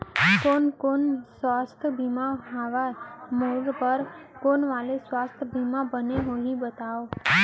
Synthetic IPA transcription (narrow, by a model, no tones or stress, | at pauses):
konkonsʋast̪ʰbʱimãɦaʋamoɡpəɾkonʋalesʋast̪ʰbʱimãbəneɦoɦĩbət̪ao